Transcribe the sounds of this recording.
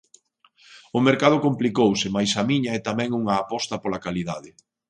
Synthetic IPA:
ʊmeɾkað̞ʊkomplikowsɪmajsɐmiɲɐɛt̪amɛ̃ŋuŋɐːpɔst̪ɐpolɐkaliðaðɪ

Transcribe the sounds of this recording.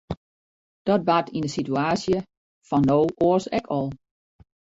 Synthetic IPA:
d̥ɔt̚batʰindəsityaːsjə | fɔnːowʔoəsɛkʰɔlˠ

